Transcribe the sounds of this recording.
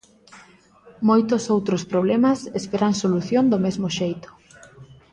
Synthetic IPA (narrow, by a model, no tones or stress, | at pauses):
mojt̪ʊsowt̪ɾospɾoβlemasespeɾaŋsoluθjond̪omezmoʃejt̪ʊ̥